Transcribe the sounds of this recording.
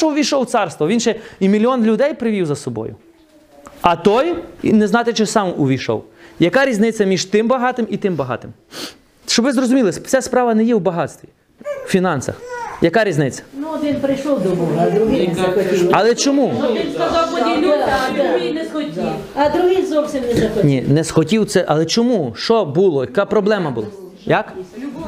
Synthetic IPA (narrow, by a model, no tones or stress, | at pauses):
ɔʊʋʲijʃɔwt̪sɑrst̪ʋɔʋinʃɛimʲilʲiɔnlʲʊd̪ɛjpɾɪʋʲiwzɐsɔbɔ̰jʊ̰ | ɐt̪ɔjnɛznɑt̪ɪt͡ʃɪsɑmʊʋʲijʃɔ̰wjɐkɑɾʲiznɪt͡sʲːɐmʲiʒt̪ɪmbɐɦɑt̪ɪmit̪ɪmbɐɦɑ̰t̪ɪm | ʃt͡ʃɔbʋɪzrɔzʊmʲilˠɪst͡sʲaspɾɑʋɐnɛjɛwbɐɦɑt̪st̪ʋʲi | fʲinɑnsɐ̰xjɐkaɾʲiznɪt͡sʲːɐ̥nʊʋʲinpɾɪjʃɔwd̪ɔbuɦd̪ɾʊɦɪɐxɔtʲiwɐlˠɛt͡ʃɔmunɔinskɐzɑwpɔdʲinʲd̪ɾʊɦinɛsxɔtʲiwɐd̪ɾʊɦɪzɔwsʲimnɛzɐxɔnʲinɛsxɔtʲiwt̪sɛʔɐlˠɛt͡ʃɔmuʃt͡ʃɔbulˠɔjɐkɑpɾɔblˠɛmɐbʊlˠɑ | jɐk